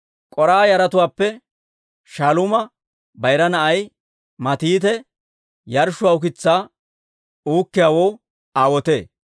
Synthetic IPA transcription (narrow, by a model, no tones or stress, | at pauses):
kʼɔɾaːjɐɾɐt̪ʊwaːpːɛ | ʃalʊmɐ | bɐjɾɐnɐʔɐj | mɐt̪iːt̪ɛ | jɐɾʃʊwaːʊk̬ɪt͡sːaː | uːkːɪjaːwoː | aːwɔt̪eː